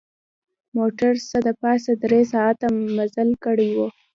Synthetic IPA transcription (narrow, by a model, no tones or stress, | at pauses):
moʈaɾsəd̪əpɑsad̪ɾesɑat̪amazalkəɽiwo